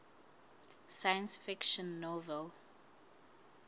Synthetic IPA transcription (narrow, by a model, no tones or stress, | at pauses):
sajə̃nsfikʃɔ̃nːɔvɛl